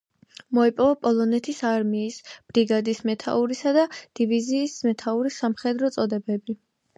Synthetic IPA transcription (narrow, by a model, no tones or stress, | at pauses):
mɔipʼɔvapʼɔlˠɔnɛt̪ʰisaɾmiːsb̥ɾiɡad̪ismɛt̪ʰa̰uɾisad̪ad̪̥iviziːsmɛt̪ʰauɾisamχɛd̪ɾɔt̪sʼɔd̪ɛbɛbi